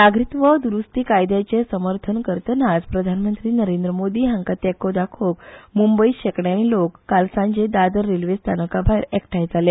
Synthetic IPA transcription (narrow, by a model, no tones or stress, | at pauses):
naɡɾit̪ʋəd̪uɾust̪iːkajd̪jat͡ɕesəməɾt̪ʰənkəɾt̪ənad͡zpɾəd̪ʱanmənt̪ɾiːnəɾend̪ɾəmod̪iːɦãŋkət̪ɛkod̪akʰokmumbəiɕekɳjanilokːalsãɲd͡ʑed̪ad̪əɾːelʋest̪ʰanəkabʱajɾɛkʈʰajd͡zale